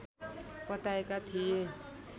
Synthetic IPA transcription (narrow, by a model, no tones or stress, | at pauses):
pət̪aekat̪ʰije